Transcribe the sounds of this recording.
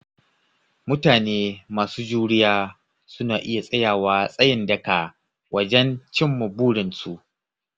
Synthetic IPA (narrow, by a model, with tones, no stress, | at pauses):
mʊ˦taː˨neː˦maː˨suː˦d͡ʒuː˦ɽɪ˦jaː˦ | sʊ˦naː˨ʔɪ˦ja˨sʼɐ˦jaː˨waː˦sʼɐ˦jɪ˨ndɐ˨ka˨ | wʔɐ˨d͡ʒɛ˦nt͡ʃɪ˦mːʊ˨buː˦ɽɪ˨nsu˦˨ʔ